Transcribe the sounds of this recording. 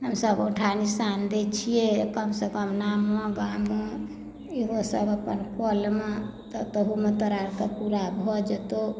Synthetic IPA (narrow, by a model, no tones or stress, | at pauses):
ɦəmsəboʈʰanisand̪et͡ʃʰijekəmsəkəmnamːɔ̃ɡamə | eɦosəbəpənkɔlmet̪ɔt̪əɦumet̪əɾaɾt̪əpuɾabʱɔd͡ʒet̪o